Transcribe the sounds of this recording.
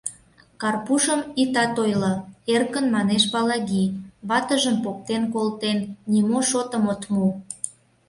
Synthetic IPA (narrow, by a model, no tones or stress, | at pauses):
kɑrpuʃəmit̪ɑt̪ojloerkənmɑneʃβɑlɑɣiβɑt̪əʒəmpok̚t̪enkolt̪enːimoʃot̪əmot̪mu